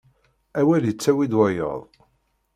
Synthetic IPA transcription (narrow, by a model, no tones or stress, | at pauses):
æwæljət͡sːæwid̪wæjə̰ðˤ